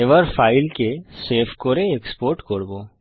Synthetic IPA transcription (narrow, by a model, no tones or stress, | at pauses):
eʋəɾfaːɪlkeseːfʰkoːɾeekspoːɾʈkoːɽbo